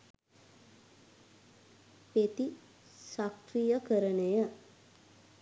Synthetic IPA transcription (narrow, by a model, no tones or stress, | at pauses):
pet̪i | sakɾijəkəɾənejə